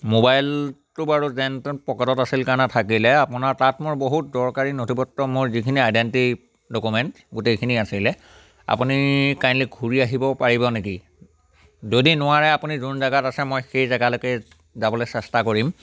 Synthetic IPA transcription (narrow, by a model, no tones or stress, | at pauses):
mobajltʊbaɹuzɛntɔpɔkɔtɔtasilkaɹnatʰakilɛapʊnaɹtatmʊɹboɦut̚zɔɹkaɹinotʰipɔtːɔmʊɹzikʰiniajdenti | dokumɛnt | ɡutejkʰiniasilɛ | a̰punikajnlik̚ɡʱuɹiaɦibɔpaɹibɔneki | zodinʊwaɹɛapunizunzaɡatasɛmojxejzaɡalokɛ | zabɔlɔjsɛstakoɹim